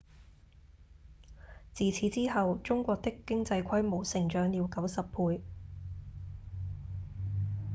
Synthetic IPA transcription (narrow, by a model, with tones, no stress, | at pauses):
t͡siː˨t͡sʰiː˨˥t͡siː˥ɦɐ˨wt͡sʊ˥ŋkʷɔː˧k̚t̪ɪ˥kːɪ˥ŋt͡sɐ˧jkʷʰɐ˥jmo˨˩wsɪ˨˩ŋt͡ʃœː˨˥ŋjiː˨˧wkɐ˨˥wsɐ˨pʰuː˧j